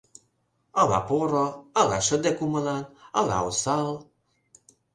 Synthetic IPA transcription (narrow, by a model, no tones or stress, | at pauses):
ala̰poɾɔalaʃəd̪ɛkuməlanala̰osal